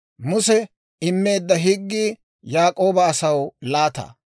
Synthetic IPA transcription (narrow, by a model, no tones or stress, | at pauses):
mʊsɛ | ɪmːe̞ːd̪ːɐɦɪɡːiː | jaːkʼo̞ːbɐːsɐwlaːt̪ɐ̰ː